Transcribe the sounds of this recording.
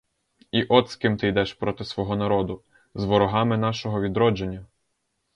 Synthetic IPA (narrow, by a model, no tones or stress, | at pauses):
iʔɔt̪skɪmt̪ɪjd̪ɛʃpɾɔt̪ɪsʋɔɦɔnɐɾɔd̪ʊ | zʋɔɾɔɦɑmɪn̪ɑʃɔɦɔʋʲid̪ɾɔd͡ʒenʲːɐ